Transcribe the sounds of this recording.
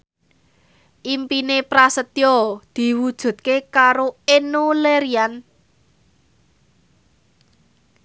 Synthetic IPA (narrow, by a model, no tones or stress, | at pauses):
ʔimpinepɾasət̪jɔd̪̥i̤wud̥ʒ̥ṳt̪̚kekaɾoenoleɾian